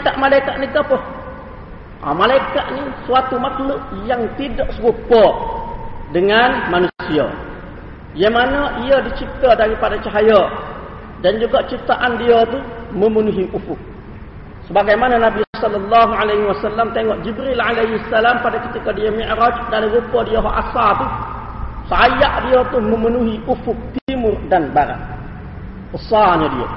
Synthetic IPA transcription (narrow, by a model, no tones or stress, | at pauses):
kaʔmalaikaʔnəɡapəh | a̰malaikaʔnisuat̪umaklʊʔjaŋt̪idaʔsəɾupɔ | dəŋanmanusia̰ | jamanaʔiədit͡ʃit̪adaɾipadat͡ʃaɦaja | dand͡ʒuɡaʔt͡ʃit̪aʔandiət̪uməmənuɦiʔufʊh | səbaɡajmanɐnabissɐlːɐlːaːɦuʕalehiwɐsalːamt̪ɛŋɔʔd͡ʒibɾilʕalehisːɐlaːmpadekit̪ikodijomiʔɾɔt͡ʃdalɐɡəpːodijoɦoʔa̰sat̪u | sajaʔdijot̪uməmənuhiʔufuk̚t̪iimurdɐnbaɾɐ̰ | usaːɲədijo̰